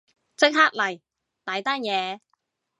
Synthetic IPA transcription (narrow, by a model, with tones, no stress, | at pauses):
t͡sɪ˥k̚ɦaː˥k̚lɐ˨˩j | t̪aː˨˧jt̪aː˥njɛː˨˧